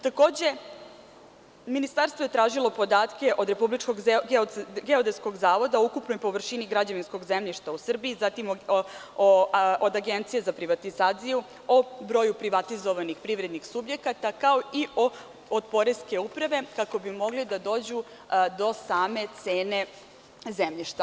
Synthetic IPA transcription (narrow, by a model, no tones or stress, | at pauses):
t̪ako̞ːd͡ʑe̞ | minist̪aɾst̪ʋo̞je̞t̪ɾaːʒilˠo̞po̞d̪aːt̪ke̞ʔo̞d̪ɾe̞publit͡ʃkoɡ | ɡeod̪esko̞ɡzaːʋo̞d̪aukupnojpo̞ʋr̩ʃiniɡɾad͡ʑaʋinsko̞ɡzemʎiʃt̪ausr̩biːzat̪imo | od̪aɡent̪sijezapɾiʋat̪izaːt̪siju | obɾo̞ːjupɾiʋat̪izo̞ʋanixpɾiʋɾe̞d̪nixsubje̞kat̪akao̞iʔo | od̪̚po̞ɾeske̞upɾaʋe̞kako̞bimo̞ɡlid̪ad̪o̞ːd͡ʑu | d̪o̞saːme̞t̪se̞ːne̞ | zemʎiʃt̪a